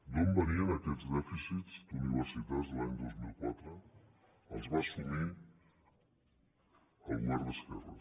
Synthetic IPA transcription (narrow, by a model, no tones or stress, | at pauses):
nombəniənəkɛd͡zd̪ɛfisizd̪uniβəɾsit̪azðəlaɲd̪ozmilˠkwat̪ɾə | əlˠzβasumi | əlˠɣwaɾðəskɛrə̰